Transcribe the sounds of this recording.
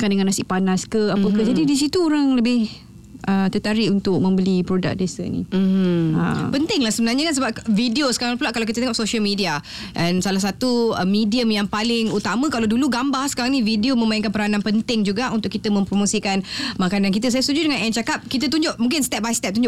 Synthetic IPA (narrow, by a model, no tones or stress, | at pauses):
kandəŋanasɪʔpanaskəapəkəd͡ʒadidis̬it̪uoɾaŋləbɪh | ʔət̪ət̪aɾiunt̪ʊk̚mə̃mbəlipɾoda̰k̚dasə̰nḭ | ə̰pənt̪ɪŋlahsəbənarɲakans̬əbap̚vidiosəkaɾaŋpulaʔkːalawk̬it̪ət̪eŋɔpsoʃəlmidia | ʔɛnsalahs̬at̪uəmidiəmjaŋpalɪŋut̪amə̃kalawduluɡambahsə̥kaɾaŋnividiomə̃maiŋkanpəɾanãnpənt̪ɪŋd͡ʒuɡaʔunt̪ʊʔkːit̪əmə̃mpɾomosikanmakanank̬it̪əs̬ajast̪ud͡ʒudəŋanɛnt͡ʃakap̚kit̪̬ət̪̬uɲd͡ʒʊʔmũŋk̬ɪnst̪ɛp̚bajst̪ɛp̚t̪uɲd͡ʒʊʔ